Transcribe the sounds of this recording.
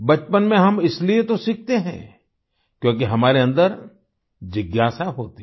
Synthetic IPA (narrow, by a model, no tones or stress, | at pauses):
bɐt͡ʃpənmẽɦɐmɪsliet̪osik̚ʰt̪eɦɛ̰̃ | kjõːk̬iɦɐmaːɾeɐ̃nd̪əɾ | d͡ʒɪɡjaːsaɦoːt̪i